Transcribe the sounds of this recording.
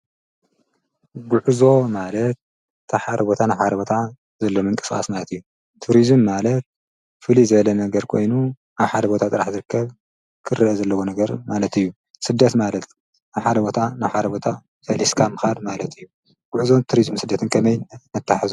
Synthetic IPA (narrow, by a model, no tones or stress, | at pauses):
ɡuʕuzo̞malɐt̪̚ːʰ | aħad̪ɐbo̞t̪ʰanaβħad̪ɐbo̞t̪ʰa | zɐlːomɨŋkʼɨ̥sxʼa̰smalɐt̪ɨjːu | t̪ʰuɾizɨmːalɐt̪̚ | fɨlizɨβɐlɐnɐɡɐɾkʰo̞̰jnu | ʔaβħad̪ɐbo̞t̪ʰat̪ʼɨɾaħzɨɾɨkʰːɐβ | kʰɨɾɨʔɛzɐlːɐwonɐɡɐɾmalɐt̪ɨjːu | sɨd̪ːɐt̪malɐt̪ | naβħad̪ɐbo̞t̪ʰanaβħad̪ɐbo̞t̪ʰa | sɐlʔiskʰamɨxad̪malɐt̪ʰɨjːu | ɡ̥uʕuzo̞t̪ʰuɾizmsɨd̪ːɐt̪ʰɨnkʰɐmɐjɐt̪ʰːaħazu